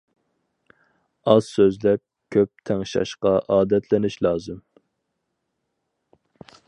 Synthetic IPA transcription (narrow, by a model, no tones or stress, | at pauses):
ɑz̥søzlɛp̚ | kʲʰøp̚t̪ʰæŋʃɑ̰ʃqɑʔɑːd̪ɛt̪ʰlɪnɪʃlɑːzɨm